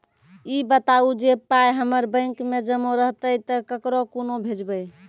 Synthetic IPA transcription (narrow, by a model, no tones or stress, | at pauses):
ibət̪aud͡ʒepajɦəməɾbə̃ɪŋkmed͡ʒəmoɾəɦt̪əjt̪əkəkɾokonobʱed͡ʒbəj